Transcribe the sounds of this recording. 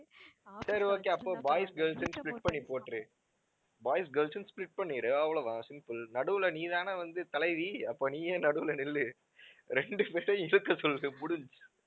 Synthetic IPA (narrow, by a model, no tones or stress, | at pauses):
sɐɾioːkːeːɐpːoːbaːjsɡeːlsɯnsplɪʈ̚pɐɳːipoːʈːɾɯ | baːjɪsɡeːlsɯnsplɪʈ̚pɐɳːiːɾɯɐʋɐɭoʋãːsɪmpɯlnɐɽɯʋɯlɐniːðaːnɐʋɐnd̪ɯt̪ɐlɐɪʋiɐpːoːniːjeːnɐɽɯʋɯlɐnɪlːɯ | ɾɛɳɖɯpeːɾɐj̃ɪɻɯkːɐsɔlːɯðɯmʊɽɯls